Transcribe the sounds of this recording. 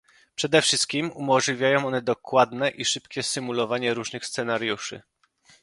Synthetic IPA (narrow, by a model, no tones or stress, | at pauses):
pʂɛd̪ɛfʂɘst̪̚kʲimumɔʐlʲivʲjajɔ̃w̃ɔnɛd̪ɔkwad̪nɛʔiʂɘpkʲɛsɘmulɔvaɲɛɾuʐnɘxst̪sɛnaɾjuʂɘ̰